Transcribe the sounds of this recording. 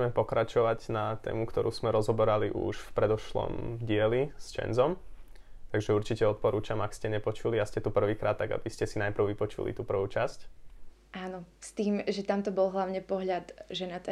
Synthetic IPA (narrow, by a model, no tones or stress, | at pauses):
mɛpɔkɾat͡ʃɔʋaɟnat̪ɛ̰ːmukt̪ɔɾʔuːz̥mɛɾɔzɦɔbɛɾaliʔṵʃfpɾɛd̪ɔʃlɔ̰mɟɪɛlist͡ʃɛ̰nzɔm | t̪aɡʒɛuɾt͡ʃicɛɔt̪̚pɔɾuːt͡ʃamakscɛɲɛpɔt͡ʃuliascɛt̪upr̩ʋiːkɾʔaːt̪ːaɡa̰biscɛsinajpɾr̩ʊʋipɔt͡ʃṵlḭt̪uːpr̩ʋuːt͡ʃasc | ʔaːnɔst̪iːmʒɛt̪amt̪ɔbɔlˠɦlaʊɲɛpɔɦʎad̪ʒɛnat̪ɛ